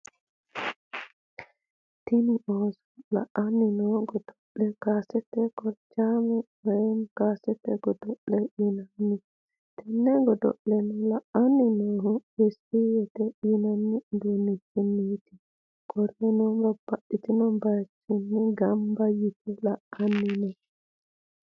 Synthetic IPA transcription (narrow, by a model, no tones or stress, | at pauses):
tiniʔɔzɔla̰ʔanːinɔɡɔdɔɗːɛkasɛtɛkɔɾd͡ʒamɛ | ɛnkasɛtɛɡɔdɔɗːɛʔinanːi | tɛnːɛɡɔdɔ̰ɗːɛnɔlaanːinɔɦubesijɛtɛʔinanːibɛnid͡ʒiniti | kɔɾɛnɔmbabaɗitinɔnbaɾt͡ʃinːiɡambajitilaanːinɔ